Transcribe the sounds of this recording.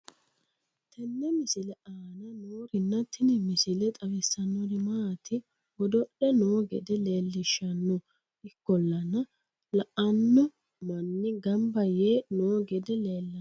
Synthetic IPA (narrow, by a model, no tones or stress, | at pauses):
t̪ʰɛnːɛmɪsɪlɛʔaːnɐnoːɾɪnːɐt̪ʰːɪnɪmɪsɪlɛt̪ʼɐwɪsːɐnːɔd̪ɪmaːt̪ʰɪ | ɡɔd̪ɔɗɛnoːɡɛ̰d̪ɛle̞ːlːɪʃːɐnːɔ | ɪkːɔlːɐnɐ | lɐʔɐnːɔ | mɐnːɪɡɐmbɐjeːnoːɡɛd̪ɛle̞ːlːɐ